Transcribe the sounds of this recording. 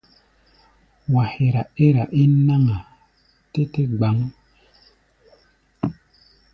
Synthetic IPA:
wa˨he˨ɾa˨e˦ɾa˨ʔi˦na˦ŋa˨ | te˦te˦ɡ͡ba˨˦ŋ˦

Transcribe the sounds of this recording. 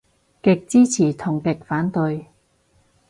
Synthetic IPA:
kɪ˨k̚t͡siː˥t͡sʰiː˨˩t̪ʰʊ˨˩ŋkɪ˨k̚faː˨˥nt̪ɵ˧ɥ

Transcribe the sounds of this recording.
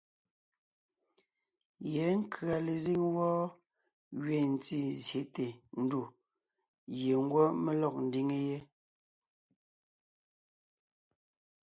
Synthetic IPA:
jɛ˨˦ŋ̩˦kʰɰa˨le˨zi˦ŋwɔː˦ | ɥe˨n̩˨t͡si˦˨zje˨˦te˨n̩˦du˨ | je˨ŋ̩˦ɡwɔ˦me˦lɔ˦˨k̚n̩˨di˦ŋe˦je˦

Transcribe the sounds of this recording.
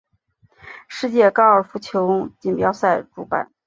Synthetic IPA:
ʂɻ̩˥˧t͡ɕjɛ˥˩kɑ˥˩ʊə˞˨˩fu˧˥t͡ɕʰjo˧˥ʊt͡ɕi˨˩npjɑ˧˥ʊsa˥˩ɪʈ͡ʂṵ˧˥pa̰˨˩˦n

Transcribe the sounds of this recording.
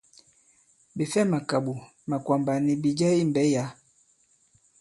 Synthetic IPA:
bi˨fɛ˦ma˨ka˨ɓu˨ | ma˨kwa˨mba˨ni˨bi˨d͡ʒɛ˦i˦mbɛ˨˦ja˨˦

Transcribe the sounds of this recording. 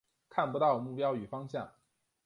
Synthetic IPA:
kʰa˥˩npu˧˥t̪ɑ˥˧ʊmu˥˩pjɑ˥ʊy˨˩fɑ˥ŋɕjɑ˥˩ŋ

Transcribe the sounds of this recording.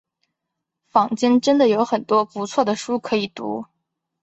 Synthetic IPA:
fɑ˨˩ŋt͡ɕɛ˥nʈ͡ʂə˥nd̪ə˨jo˧˥ʊxə˨˩nt̪wɔ˥pu˧˥t͡sʰwɔ˥˩d̪ə˩ʂu˥kʰɤ˧˥i˨˩t̪ṵ˧˥

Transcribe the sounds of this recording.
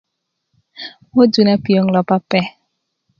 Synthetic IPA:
wo˦d͡ʒu˨na˦pi˨o˨˦ŋ˨lɔ˨pa˦pɛ˦

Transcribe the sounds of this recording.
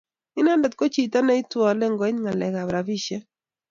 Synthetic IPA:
ɪ˦na˦ndɔ˨t̚ko˦t͡ʃi˨ta˦na˦i˦twɔ˨lɛ˦ŋɡwɛ˨˦ɲŋa˨lɛ˨ɡa˨bɾa˨vi˦˨ʃɛ˦

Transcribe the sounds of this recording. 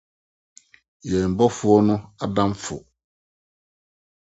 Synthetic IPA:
jɛ˨m̩˨bɔ˦fʊ˨˦ɔ˦nʊ̃˦a˨dã˦mfʊ̰˨

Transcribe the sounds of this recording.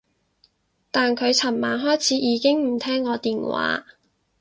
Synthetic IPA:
t̪aː˨nkʰɵ˨˧ɥt͡sʰɐ˨˩mmaː˨˧nɦɔː˥jt͡sʰiː˨˥jiː˨˧kɪ˥ŋm̩˨˩t̪ʰɛː˥ŋkɔː˧t̪iː˨nwa̰ː˨˧˥

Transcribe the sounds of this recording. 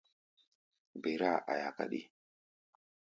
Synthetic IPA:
be˨ɾa˦ʔa̰˨ja˨ka̰˦ɗḭ˦

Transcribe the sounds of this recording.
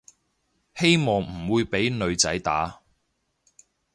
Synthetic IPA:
he˥jmɔː˨ŋm̩˨˩wuː˨˧jpe˨˥jnɵ˨˧ɥt͡sɐ˨˥jt̪aː˨˥

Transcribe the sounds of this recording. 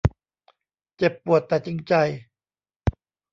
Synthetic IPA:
t͡ɕe˨˩pːu˨˩ət̪ːɛː˨˩t͡ɕi˧ŋt͡ɕa˧j

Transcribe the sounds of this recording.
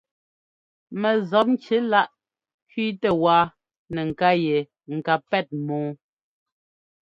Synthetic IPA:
mɛ˨zɔ˨˦p̚n˦t͡ʃe˦la˦ʔ | kɥiː˦tɛ˦˨waː˦ | nɛ˨ŋ̩˨ka˦jɛ˨ | ŋ̩˨ka˨pɛ˦˨t̚mɔ̃ː˨˦

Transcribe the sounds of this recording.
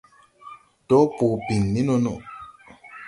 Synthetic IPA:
tɔ˦pu˨pi˨nːi˦nɔ˦nɔ̰˨

